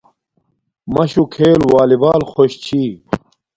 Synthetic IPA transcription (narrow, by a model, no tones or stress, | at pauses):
mɐɕukʰeːlwaːlibaːlxoɕt͡ɕʰiː